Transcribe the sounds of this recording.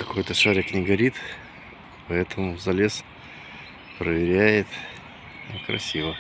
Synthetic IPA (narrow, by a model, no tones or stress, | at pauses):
kɐko̞jt̪əʂaɾʲɪknʲɪɡɐɾʲit̪ | pɐɛt̪əmʊzɐlʲe̞s | pɾəvʲɪɾʲæjɪt̪ | kɾɐ̰sʲivə